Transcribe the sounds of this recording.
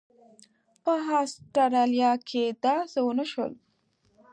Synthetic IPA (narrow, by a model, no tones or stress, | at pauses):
pəɦɑsʈaɾɑlijɑkʰed̪ɑzəwənaʃwə̰l